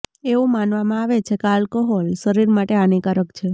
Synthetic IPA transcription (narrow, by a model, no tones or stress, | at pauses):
eʋũmanʋamãaʋet͡ʃʰekalkɔɦolʃəɾiɾmaʈeanikaɾəkt͡ʃʰe